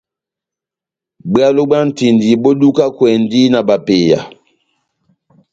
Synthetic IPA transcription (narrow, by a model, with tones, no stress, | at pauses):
ba˦lo˦ɡ͡ba˦n̩˨ti˨ndi˨bo˦du˦ka˦kwɛ˨n˦di˦na˨ba˨pe˨ja̰˨